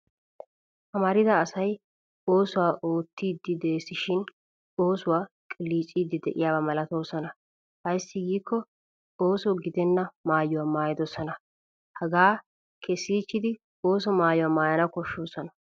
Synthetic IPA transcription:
ʔɐmɐɾɪd̪ɐːsɐj | o̞ːsʊwaːʔoːt̪ːiːd̪ːɪd̪e̞ːsɪʃɪn | o̞ːsʊwaː | kʼɪliːt͡ʃʼːiːd̪ːɪd̪ɛ̰ʔɪjaːbɐmɐlɐt̪o̞ːsɔnɐ | hɐjsːɪɡiːkʰːɔ | o̞ːsɔɡɪd̪ɛnːɐmaːjʊwamaːjɪd̪ɔsɔnɐ | hɐɡaː | kʰɛsiːt͡ʃːɪd̪ɪ | oːsɔmaːjʊwɐmaːjɐnɐkɔʃːoːsɔnɐ

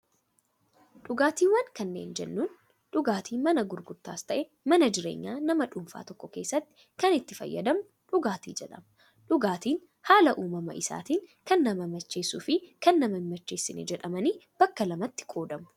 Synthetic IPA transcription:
ᶑʊɡaːt̪iːwɐŋkɐnːeːnd͡ʒɛ̰nːuːn | ᶑʊɡaːt̪ʰiːmɐnɐɡʊɾɡʊɾt̪ːaːst̪ɐʔɛ | mɐnɐd͡ʒɪɾeːɲːaːnɐmɐᶑʊmfa̰ːt̪ɔkːɔke̞ːsːɐt̪ːɪ̥ | kɐnɪt̪ːɪfɐ̰jːɐ̰d̪ɐmʊ | ᶑʊɡaːt̪ḭːd͡ʒɛᶑɐ̰mɐ | ᶑʊɡaːt̪iːn | haːlɐʔuːmɐmɐ̰ʔɪsa̰ːt̪iːŋkɐnːɐmɐmɐt͡ʃːe̞ːsuːfɪkɐnːɐmɐnmɐt͡ʃːe̞ːsːɪnɛ̰d͡ʒɛᶑɐmɐniːb̥ɐkːɐlɐmɐt̪ːɪ̥kʼo̞ːd̪ɐmʊ̥

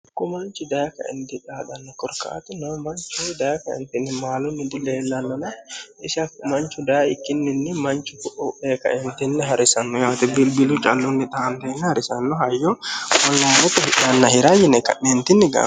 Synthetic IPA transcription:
kːɔmɐnt͡ʃɪd̪ɐjɐkɐ̰ʔɛ̰nd̪ɪtaːd̪ɐnːɔkɔɾka̰ːt̪ɪnɔmɐnt͡ʃːʊd̪ɐjɐkɐɛ̰nt̪ɪnːɪmaːlʊnːɪd̪ɪleːlːɐnːɔnɐɪsɐmɐnt͡ʃːʊd̪ɐjɐɪkːɪnːɪnːɛmɐnt͡ʃʊkʊʔɔʔeːkɐ̰ʔɛnt̪ɪnːɛɦɐɾɪsɐnːɔjaːt̪ɛbɪlbɪlʊt͡ʃʼɐlːʊnːɪt̪ʼɐʔːnd̪ɐjɛnːɛhɐɾɪsɐnːɔɦɐjːɔwɔlːɐnɛt̪ːɔhɪʔɐnːɐhɪɾajɪnɛkɐ̰ʔːɛnt̪ɪnːɪɡa̰ː

